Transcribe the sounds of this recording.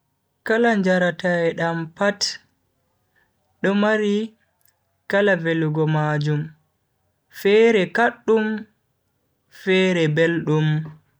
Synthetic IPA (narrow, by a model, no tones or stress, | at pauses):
kalaɲd͡ʒaɾataɛɗampat | ɗɔmaɾi | kalaveluɡɔmad͡ʒum | fɛɾɛkaɗːum | fɛɾɛbelɗum